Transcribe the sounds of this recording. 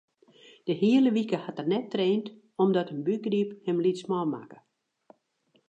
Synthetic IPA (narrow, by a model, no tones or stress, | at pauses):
d̥əhiələʋikəhatərnɛtːreːnt | ɔmdɔtənbyɡriphɛmlitsmɔma̰kə̥